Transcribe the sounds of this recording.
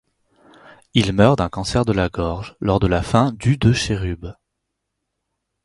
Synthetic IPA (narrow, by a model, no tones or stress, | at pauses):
ilmœʁd̪ɛ̃kɑ̃sɛʁd̪əlaɡɔʁʒlɔʁd̪əlafɛ̃d̪yd̪əʃeʁyb